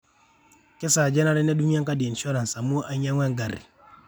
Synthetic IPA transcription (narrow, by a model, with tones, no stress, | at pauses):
ke˦sa˨d͡ʒe˦na˦ɾi˦ne˦du˦ŋ˦a˦ŋka˦de˨n˨ʃo˦ɾa˨sa˨mu˦ʔa˦ɲa˦ŋʷɛ˦ŋɡa˨ɾḭ˨